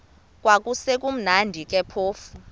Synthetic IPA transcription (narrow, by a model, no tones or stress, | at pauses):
k̬ʼwak̬ʼusɛk̬ʼum̩nandʱik̬ʼɛpʰoːfu